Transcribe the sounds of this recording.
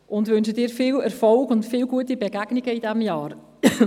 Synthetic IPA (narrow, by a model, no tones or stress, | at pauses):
ʔʊntvʋʏnʃədɪːɾfɪːlɛrfɔlkʊntfɪːlɡuətibəɡæɡniɡəidɛmjɑːr